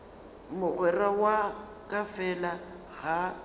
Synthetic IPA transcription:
mʊɣwɛrawa | kʼafɛla | ɣa

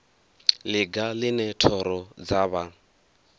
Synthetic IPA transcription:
lɪɡalɪnɛtʰɔɾɔd͡zaβa

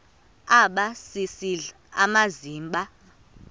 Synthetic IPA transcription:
aɓasisiɮ | amaziːmɓa

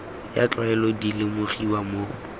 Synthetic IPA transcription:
ja̰t͡ɬʼwaɛlɔdilɪmʊχiwamo

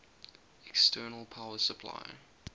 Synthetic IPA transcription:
ɛkstʰɜːnəlˠpʰaʊəsəpʰla̰ɪ

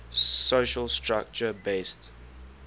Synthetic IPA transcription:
soʃəlˠstʰɹak̚t͡ʃəbest

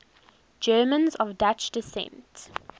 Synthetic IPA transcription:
d͡ʒɜːmə̃nzɔvdat͡ʃdɪsɛ̰̃nt

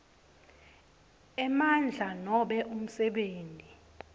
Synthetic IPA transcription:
ɛmand͡ɮʱanɔɓɛʔum̩sɛɓeːntʼi

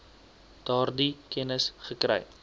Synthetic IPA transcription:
d̥ɑːrdikʰɛnəsχəkɾɛ̰j

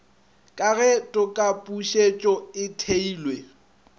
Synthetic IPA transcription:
kʼaɣɛtʼʊkʼapʼuʃet͡ʃʼɔɪtʰeiːlwe

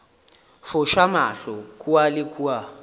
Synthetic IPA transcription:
fʊʃamaɬɔkʰʼualɪkʼua

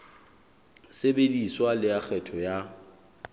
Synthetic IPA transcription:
sebediswalɪak͡xʰɛtʰɔja

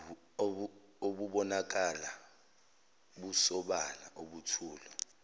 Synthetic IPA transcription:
oɓuɓɔnak̬ala | ɓusɔɓala̰ʔoɓutʰuːlɔ

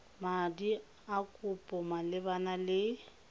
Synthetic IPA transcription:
madi | akʼʊpʼɔmalɪbanalɪ

